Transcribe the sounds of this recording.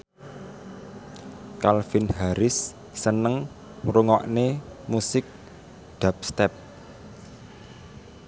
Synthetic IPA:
kalfinɦaɾɪsː | ənəŋ | ɾuŋɔʔnemusɪk̚ | d̪̥a̤p̚st̪ɛp̚

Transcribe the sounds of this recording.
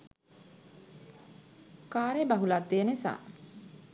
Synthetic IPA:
kaːɾebaɦulat̪ːejənisa̰ː

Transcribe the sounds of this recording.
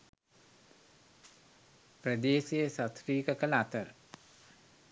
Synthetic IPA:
prəd̪eːsejəsɐt̪riːkəkələat̪əɾə

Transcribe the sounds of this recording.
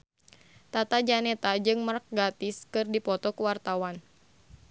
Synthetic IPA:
t̪at̪ad͡ʒanɛt̪ad͡ʒɨŋmark̚ɡat̪ɪskɨrdipɔt̪ɔkuwart̪awan

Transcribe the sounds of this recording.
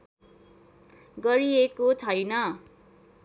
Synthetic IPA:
ɡʌɾiekot͡sʰʌjnʌ

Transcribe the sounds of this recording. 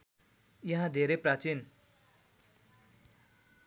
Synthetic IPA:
jʌɦãd̪ʱeɾeprat͡sin

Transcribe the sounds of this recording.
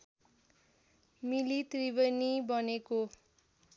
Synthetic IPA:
milit̪ribʌnibʌneko

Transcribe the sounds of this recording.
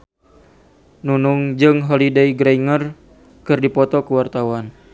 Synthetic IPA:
nunuŋd͡ʒɨŋɦɔlidejɡɾeiŋər | kɨrdipɔt̪ɔkəwart̪awan

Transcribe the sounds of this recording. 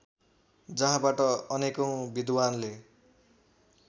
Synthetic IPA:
d͡zʌɦãbaʈʌʌnekʌw̃bid̪wanle

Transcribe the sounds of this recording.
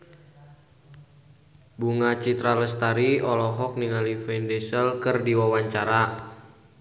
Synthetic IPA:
buŋat͡ʃit̪ɾaləst̪aɾiɔlɔɦɔk̚niŋalifɛndesəlkərdiwawaɲt͡ʃaɾa

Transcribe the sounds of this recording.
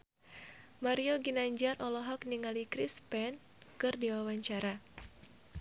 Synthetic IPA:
maɾioɡinaɲd͡ʒarʔɔlɔɦɔk̚niŋalikɾispɛn | kɨrdiwawaɲt͡ʃaɾa

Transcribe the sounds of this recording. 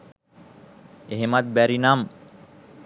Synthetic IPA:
eɦemat̪̚bæɾinam

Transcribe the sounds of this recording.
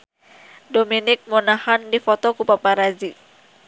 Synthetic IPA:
dominɪk̚munahandifɔt̪ɔkupapaɾazi

